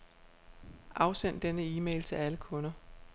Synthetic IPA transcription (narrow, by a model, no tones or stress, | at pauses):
ʔɑ̈ʊsen̰d̥enəiːmḛɪlt͡sʰe̝læləkʰɔ̽nɐ